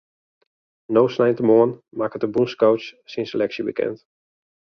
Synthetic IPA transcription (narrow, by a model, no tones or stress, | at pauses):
nowsnajntəmɔən | makətəbunskowt͡ʃsinsəlɛksəbḭkɛ̰nt